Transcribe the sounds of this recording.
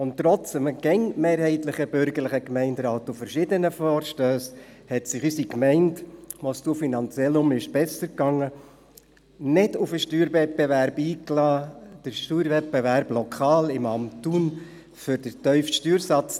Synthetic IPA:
ʊnttːɾɔt͡səməɡ̥ɛŋmeːɾhɛɪt̪lɪχəbʏɾɡəɾlɪχəkmɛɪndɾɑːt̪ufəɾʃɪdənəfɔːɾʃtøːshɛtsɪχysikmɛɪntmɔstufinɑnt͡sjɛlʊmɪʃb̥ɛsəɾkːɑŋːə | nɪdʊfəʃtyːɾvɛt̚bɛvæɾbiːklɑːd̥əɾʃtyːɾvɛbɛvæɾblɔkʰɑːlɪmɑmtːun | fʏɾd̥əɾtœʏftʃtyːɾsɑt͡s

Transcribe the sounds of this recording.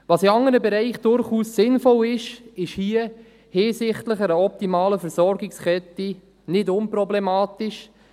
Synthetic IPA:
vɑsɪɑŋəɾəbɛɾɛɪχd̥ʊɾχuːssɪnfɔlɪʃɪʃhiə | hɪːsɪχtləχəɾəɔp̚timɑːləfɛɾsɔɾɡɪkskɛti | nɪdʊnprɔblɛmɑːtɪʃ

